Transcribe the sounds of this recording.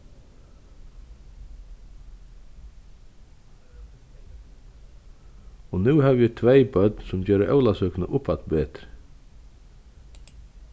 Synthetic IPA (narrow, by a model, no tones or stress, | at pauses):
ɔnʉːhaːʋjɛt̪ʰʋeɪbœd̪nsʊmd͡ʒøːɾəʔœ̰ʊlasœːkna̰ʔʊpʰat̪beːt̪ɾ